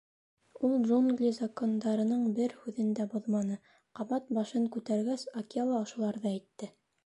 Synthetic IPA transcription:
ulˠd̪ʒunɡlʲizɐkond̪ɑɾɤ̆nɤɴbɘɾhʉðɘ̆nd̪æboðmɑnɤ | qɑβɑt̪̚bɑʃɤŋkʉt̪æɾɡæsɐkʲialˠɑŏʃŭlˠɑɾðɑijt̪ːɘ

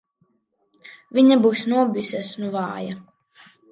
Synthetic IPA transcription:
viɲabuːsnuɔbʲisʲɛsnuvɑːja

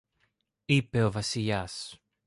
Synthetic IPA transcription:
ipe̞o̞vɐsiʎɐs

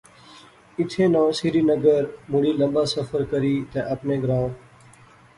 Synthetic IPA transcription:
ɪt̪ʰeːnãːsiːɾiːnəɡəɾmʊɽiːləɓaːsəfəɾkəɾiːt̪ḛ̃ːʔəpneːɡɾãːʈ

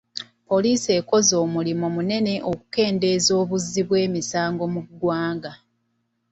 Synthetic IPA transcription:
po̞liːse̞ko̞zo̞ːmulimomune̞ne̞ʔo̞ku̥ke̞ːnde̞ːzo̞ːβuzːiβwe̞ːmisaːŋɡo̞muɡwaːŋɡa

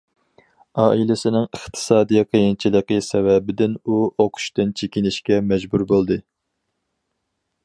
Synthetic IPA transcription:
ɑːʔilɪsɪnɪŋəχt̪ʰɨ̥sɑːd̪ijqʰəjint͡ʃʰilˠəqəsɛvɛbɪd̪ɪnuoqʰʊ̥ʃt̪ɨnt͡ʃʰekʲinɪʃkʲɛmɛd͡ʒbuɾbolˠd̪ɨ

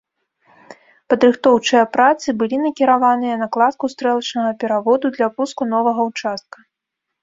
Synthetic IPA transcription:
pɐd̪ɾɨxt̪ɔwt͡ʂɨjɐpɾat̪sɨbɨlʲinɐkʲiɾavanɨjɐnɐklˠat̪̚kust̪ɾɛlˠɐt͡ʂnɐɣɐpʲɛɾavɔd̪ud̪lʲɐpuskunɔvɐɣɐwt͡ʂast̪̚kɐ

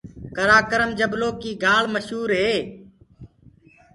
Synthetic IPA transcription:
kəɾaːkəɾəmd͡ʒəbloːkiːɡʱaːɭməʃɦuːɾɦeː

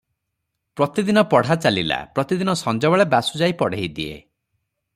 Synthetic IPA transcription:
pɾɔt̪id̪inɔpɔɽ̤at͡ʃalila̰pɾɔt̪id̪inɔsɔnd͡ʒɔbaɭebasud͡ʒaipɔɽ̤eid̪iḛ

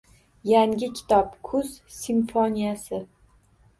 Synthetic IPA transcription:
jaŋʲɪkʲʰɪ̥t̪ʰɒp̚kʰʊz̥simfɒnijasɪ

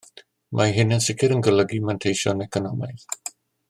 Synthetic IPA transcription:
mʔaɦɪnənsɪkʰɪɾənɡələɡimantʰejʃɔ̰nɛkʰɔnɔmaθ

